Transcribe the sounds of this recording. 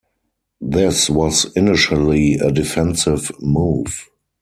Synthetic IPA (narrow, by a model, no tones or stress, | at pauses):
ðɪswɔzɪnɪʃəliə̰dɪfɛ̃nsɪvmuːv̥